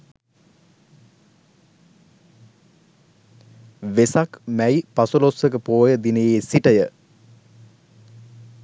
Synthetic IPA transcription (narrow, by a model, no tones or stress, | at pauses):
ʋesakmæjpasulosʋək̬əpoːjəd̪inəjeːsiʈəjə